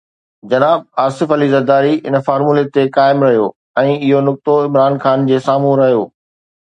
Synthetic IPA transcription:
d͡ʑɐnaːb̚aːsɪfɐlizɐɾd̪aːɾiɪ̰nə̆faːɾmulet̪ekaːɪmɾɐɦijoː | ɛ̃ːɪɦonʊk̚t̪oɪmɾaːnxaːnd͡ʑeːsaːm̤ũɾɐɦijoː

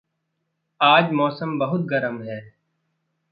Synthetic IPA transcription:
aːd͡ʒmɔːsəmbɐɦʊt̪̚ɡɐɾəmɦɛː

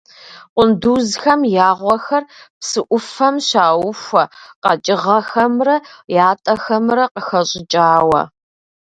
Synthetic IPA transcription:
qʷʊnduːzxɐmjaːʁʷɔxɐrpsɨʔʷʊfɐmɕaːwʊfʷɐqɐt͡ʃʼɪʁɐxɐmrɐjaːtʼɐxɐmrɐqəxɐɕʼɪt͡ʃʼaːwɐ̰

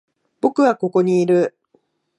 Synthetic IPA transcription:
bo̞kɯ̟βako̞ko̞ɲ̟iːɾɯ̟

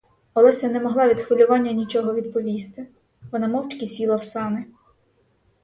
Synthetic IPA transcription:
ɔlˠɛsʲɛnɛmɔɦlˠɑʋʲid̪xʋɪlʲʊʋɑnʲːɐnʲit͡ʃɔɦɔʋʲid̪pɔʋʲist̪ɪ | ʋɔnɑmɔwt͡ʃkʲisʲilˠɐwsɑnɪ

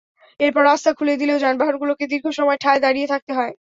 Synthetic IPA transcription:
eɾpɔɾast̪ʰakʰuled̪ileod͡ʑanbaɦoɾɡuloked̪iɾɡʱoʃɔmɔeʈʰaed̪aɽijet̪ʰak̚t̪eɦɔe

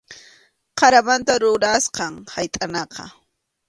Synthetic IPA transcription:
qɑɾamant̪aɾʊɾasqɑŋhajt̪ʼanɑqɑ̰

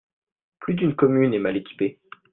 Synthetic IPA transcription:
plyd̪ynkɔmynɛmalekʲi̥pe

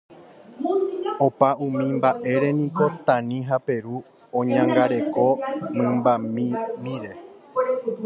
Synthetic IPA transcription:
o̞paʔũmĩmbaʔe̞ɾe̞nĩko̞t̪ãnĩɦape̞ɾu | õɲãŋɡaɾe̞ko̞mɨ̃mbamĩmbiɾe̞

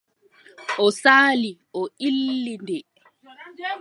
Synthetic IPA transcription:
ʔɔsaːliʔɔʔilːindɛ

